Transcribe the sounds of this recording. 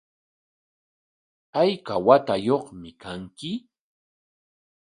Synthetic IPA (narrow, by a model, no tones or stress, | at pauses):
ajkawat̪ajoχmɪkʰaŋkɪ